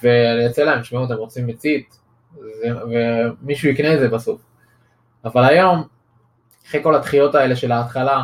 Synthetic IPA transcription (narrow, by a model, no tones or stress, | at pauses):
veanijat͡selaemʃmeut̪̬emʁot͡simet͡sit̪ | zevemiʃuikneezebasuf | avalajo̞m | aχeko̞lat̪χijo̞t̪ae̞le̞ʃe̞laːt̪χala